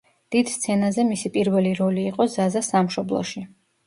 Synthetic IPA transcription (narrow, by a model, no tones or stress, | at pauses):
d̪̥id̪̥st̪sʰɛnazɛmisipʼiɾvɛliɾɔliːqʼɔzazasamʃɔblˠɔ̰ʃi